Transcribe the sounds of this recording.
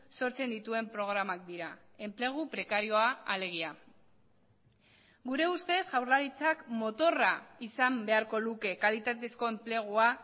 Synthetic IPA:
so̞ɾt͡se̞nd̪it̪ue̞mpɾo̞ɣ̞ɾamak̚d̪iɾa | e̞mple̞ɣ̞upɾe̞kaɾio̞aale̞ɣ̞ia | ɡuɾe̞ust̪e̞sʝawrlaɾit͡sakmo̞t̪o̞raisambe̞aɾko̞luke̞kalit̪at̪e̞sko̞e̞mple̞ɣ̞ua

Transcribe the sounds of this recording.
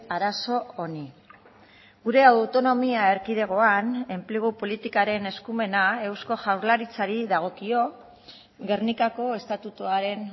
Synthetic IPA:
aɾaso̞oni | ɡuɾe̞awt̪o̞no̞miae̞ɾkið̞e̞ɣ̞o̞ane̞mpleɣ̞upo̞lit̪ikaɾe̞ne̞skume̞nae̞wsko̞ʝawɾlaɾit͡saɾiðaɣ̞o̞kio̞ | ɣe̞rnikako̞e̞st̪at̪ut̪uaɾe̞n

